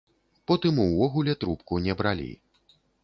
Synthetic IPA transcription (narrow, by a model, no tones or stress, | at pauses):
pɔt̪ɨmuwvɔɣulʲɛt̪ɾupkunʲɛbɾalʲḭ